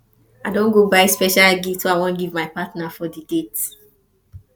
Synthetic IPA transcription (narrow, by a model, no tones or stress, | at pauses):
aɪdõnɡobaɪspɛʃalɡiltsoaɪwɔ̃nɡivmaɪpatnafɔdidet